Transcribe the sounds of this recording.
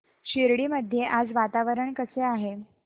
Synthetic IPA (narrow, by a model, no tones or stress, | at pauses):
ɕiɾɽiːməd̪ʱːjeʔad͡zʋat̪aʋəɾəɳkəseaɦe